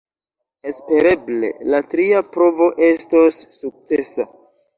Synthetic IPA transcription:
e̞spe̞ɾe̞ble̞̰latɾiapɾo̞vo̞ʔe̞stosːuk̚t͡se̞sa

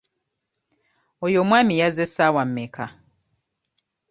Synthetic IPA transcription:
ojomwaːmijazesawam̩meka

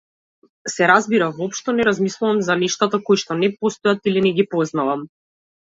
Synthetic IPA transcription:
sɛɾazbiɾavɔpʃt̪ɔnɛɾazmislˠuvamzaniʃt̪at̪akojʃt̪ɔnɛpɔst̪ɔjat̪ilinɛɡipɔznavam

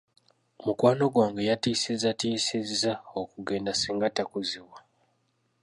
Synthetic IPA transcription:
mukwaːno̞ɡwaːŋɡejatiːsizatisizzaokuɡe̞ːndasiːŋɡatakuziwa

